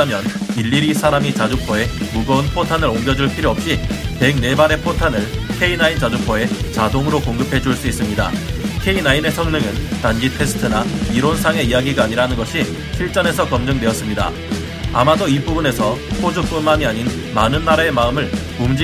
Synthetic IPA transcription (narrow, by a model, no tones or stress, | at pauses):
amjʌniʎːiɾisʰaɾamit͡ɕad͡ʑupʰʌe̞muɡʌunpʰotʰanɯɾoŋɡjʌd͡ʑuɭpʰiɾjʌʌp̚ɕ͈ipe̞ɡ̚ne̞baɾe̞pʰotʰanɯɭkʰe̞inaint͡ɕad͡ʑupʰʌe̞t͡ɕadoŋɯɾokoŋɡɯpʰe̞d͡ʑuɭs͈uis͈ɯmɲida̰kʰe̞inaine̞sʰʌŋnɯŋɯntand͡ʑitʰe̞sʰɯ̥tʰɯnaiɾonsʰaŋe̞ijaɡiɡaːɲiɾaɦanɯnɡʌɕʰi | ɕʰiɭt͡ɕ͈ʌne̞s̬ʰʌkʌmd͡ʑɯŋdwe̞ʌs͈ɯmɲida̰ | a̰madoipubɯne̞sʰʌpʰod͡ʑup͈unmaɲiaɲin | manɯnːaɾae̞maɯmɯɭ | umd͡ʑi